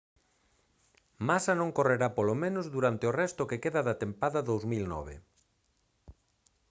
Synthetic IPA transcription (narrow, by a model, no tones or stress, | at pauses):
masɐnõŋkoreɾapolomẽnozðuɾant̪ɪorɛst̪ʊkekeðaðat̪empaðɐðowzmilnɔ̰β̞ḛ